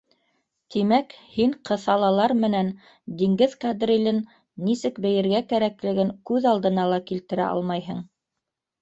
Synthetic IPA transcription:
t̪imækhiɴqʰɤ̆θɑlˠɑlˠɑɾmɘ̆næn | d̪iŋɡɘðkɑd̪rilɘnː | isɘkbɘ̆jɘ̆ɾɡækæɾæklɘ̆ɡɘŋkʉðɑlˠd̪ɤ̆nɑlˠɑkilt̪ɘ̆ɾæ̰ʔɑ̰lˠmɑjɦɤɴ

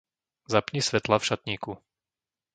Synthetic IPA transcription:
zapɲisʋɛt̪lafʃat̪ɲiːku

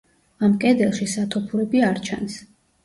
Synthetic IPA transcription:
amkʼɛd̪ɛlˠʃisat̪ʰɔpʰuɾɛbiaɾt͡ʃʰans

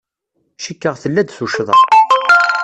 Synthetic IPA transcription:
ʃikːəʁθəlːæd̪θuʃðˤə̰

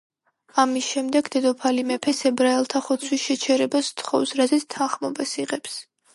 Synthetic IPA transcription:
amisʃɛmd̪ɛɡd̪ɛd̪ɔpʰalimɛpʰɛsɛbɾaɛlˠt̪ʰaχɔt̪sʰwisʃɛt͡ʃʰɛɾɛbast̪ʰχɔ̰fsɾazɛt̪sʰt̪ʰanχmɔbasiʁɛps

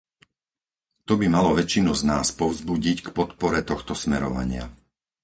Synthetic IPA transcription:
t̪ɔbimalɔʋɛt͡ʃinuznaːspɔʊzbuɟickpɔt̪pɔɾɛt̪ɔxt̪ɔsmɛɾɔ̰ʋa̰ɲɪa̰

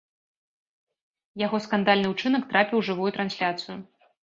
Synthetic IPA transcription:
jaɣɔskand̪alʲnɨut͡ʂɨnɐkt̪ɾapʲiwʐɨvujut̪ɾansʲlʲat̪sɨju

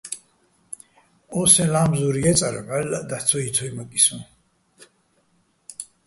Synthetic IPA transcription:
ɔsɛ̃laːmzuɾiɛt̪sʼaɾɛ̰ħɛlad̪at̪sʰɔit̪ʰɔimakʼisũ

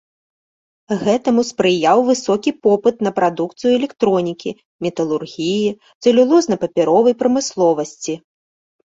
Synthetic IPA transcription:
ɣɛt̪ɐmuspɾɨjawvɨsɔkʲipɔpɨt̪nɐpɾad̪ukt̪sɨjuɛlʲɛkt̪ɾɔnʲikʲi | mʲɛt̪ɐlˠurɣʲiji | t̪sɛlʲulˠɔznɐpɐpʲɛɾɔvɐjpɾɐmɨslˠɔvɐsʲt͡sʲi

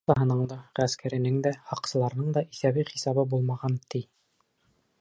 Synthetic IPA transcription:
t̪ɑɦɤ̆nɤɴd̪ɑʁæskʰæɾɘ̆nɘŋd̪æhɑqsɤ̆lˠɑɾnɤɴd̪ɑʔiθæβijχisɑβɤbulˠmɑʁɑnt̪i

